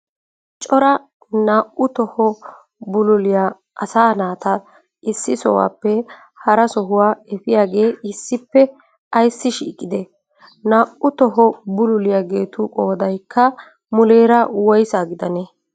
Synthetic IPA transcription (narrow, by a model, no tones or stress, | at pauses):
t͡ʃʼɔɾɐ | naːʔʊt̪ɔhɔ | bʊlʊlɪjaː | ʔɐsaːnaːt̪ɐ | ʔɪsːɪsɔ̰wa̰ːpːɛ | hɐɾɐsɔɦʊwaːɛfɪjaːɡe̞ːɪsːɪpːɛ | ɐjsːɪʃḭːkʼːɪd̪ɛ | naːʔʊt̪ɔɦɔbʊlʊlɪjaɡe̞ːt̪ʊkʼoːd̪ɐjkʰːɐ | mʊleːɾɐwɔjsaːɡɪd̪ɐne